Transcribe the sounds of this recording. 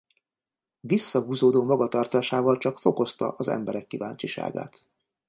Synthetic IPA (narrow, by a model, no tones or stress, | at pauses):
visːɒɡuːzoːd̪oːmɒɡɒt̪ɒrt̪aːʃaːvɒlt͡ʃɒkfo̞ko̞st̪ɒ̰ʔɒzɛ̰mbɛɾɛkːiva̰ːɲt͡ʃiʃa̰ːɡa̰ːt̪